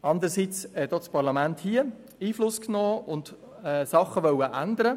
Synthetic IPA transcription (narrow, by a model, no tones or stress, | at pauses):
ɑnd̪əɾəsit͡shɛdot͡spɑʁlɑmænthiə | iːflʊsknoːʊnd̪ | ɛːsɑχːəʋœwəʔænd̪əɾə